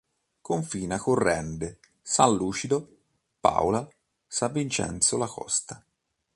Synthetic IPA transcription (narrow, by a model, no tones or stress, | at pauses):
koɱfiːnakorːɛnd̪e | sanluːt͡ʃid̪o | pa̰wla | savint͡ʃɛ̰nt̪solakɔ̰st̪a